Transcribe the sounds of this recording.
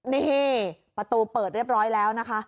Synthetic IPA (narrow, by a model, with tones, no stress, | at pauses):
niː˥˩ | pɾa˧t̪uː˧pɤː˨˩ɾi˥˩əp̚ɾɔː˦˥jlɛː˦˥wna˦˥kʰa˦˥ʔ